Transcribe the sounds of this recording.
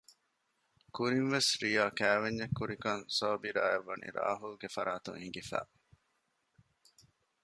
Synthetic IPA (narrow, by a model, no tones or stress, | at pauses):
kuɾinʋesɾijaːkæːʋeɲːɐkːuɾikɐnsoːbiɾaːeʋːɐnḭɾa̰ːɦulɡefɐɾaːt̪ṵŋiŋɡifæ̰ː